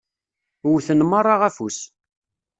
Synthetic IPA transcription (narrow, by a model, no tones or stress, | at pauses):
ʊwθənməɾˤɑʁæfus